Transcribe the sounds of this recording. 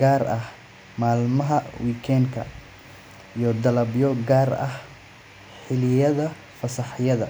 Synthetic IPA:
ɡaːrɐh | maːlmɐɦɐwiːkʰɛːŋkʰɐ | ijɞd̪ɐlɐbjɔɡaːrɐ̰h | ħɪlɪjɐðɐ | fɐsɐħjɐðɐ

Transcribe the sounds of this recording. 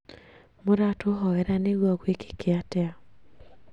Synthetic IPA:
moɾatoɦɔɛɾaneɣwɔkweke̥keatɛa

